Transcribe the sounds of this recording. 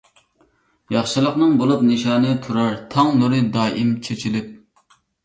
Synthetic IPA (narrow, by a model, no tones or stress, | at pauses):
jɑχʃɨlˠəqnɨŋbolˠupnɨʃɑːnɨt̪ʰuɾɑɾt̪ʰɑŋnuɾɨd̪ɑːʔimt͡ʃʰet͡ʃʰilɪp̚